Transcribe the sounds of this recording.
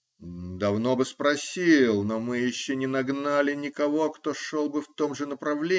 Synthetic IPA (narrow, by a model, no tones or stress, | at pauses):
d̪ɐvno̞bɨspɾɐsʲilˠnomɨjɪɕːonʲɪnɐɡnalʲɪnʲɪkɐvo̞kt̪o̞ʂolˠbɨft̪omʐɨnəpɾɐvlʲe